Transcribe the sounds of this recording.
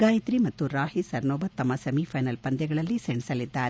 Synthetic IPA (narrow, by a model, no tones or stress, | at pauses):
aːjit̪ɾimɐt̪ːuɾaːhisɐɾnoːbɐt̪ːɐmːɐsɐmipʰɐjnɐlpɐnd̪ɛɡɐɭɐlːiseɳisɐlid̪ːaːɾ